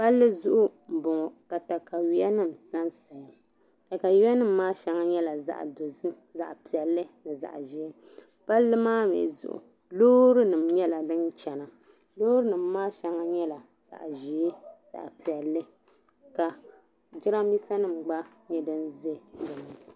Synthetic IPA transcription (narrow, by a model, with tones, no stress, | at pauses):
pa˦lːɨ˦zʊ˦ʔʊ˦m̩˨bʊ˨ŋɔ˨ka˨ta˨ka˨wi˦a˦nɨ˦˨m̩˨sa˦nsa˨ja˨ | ka˨ka˨wi˦a˦nɨ˦m̩ː˦aː˦ʃɛ˨˦ŋa˦ɲɛ˦la˨za̰˨ʔdo˨zɨ˦ | za˨ʔpi˨ɛ˨lːɨ˦nɨ˨za̰˨ʔʒi˨e˦ | pa˦lːɨ˦maː˦mḛ˨zʊ̰˦ʔʊ̰˨ | loː˦ɾɨ˦nɨ˨mɲɛ˦la˨dɨ˦nt͡ʃɛ˨na˨ | loː˦ɾɨ˦nɨ˨mː˦aː˦ʃɛ˦ŋa˦ɲɛ˦la˨ | z̥a̰˨ʔʒi˨˦e˦z̥a̰˨ʔpi˨ɛ˨lːɨ˦ | ka˨ | d͡ʒɪ˦ɾa˦mi˦sa˦nɨ˦˨m˨ɡ͡ba˦ | ɲɛ˦dɨ˦nze˦dɨ˨nɨ˨˦˨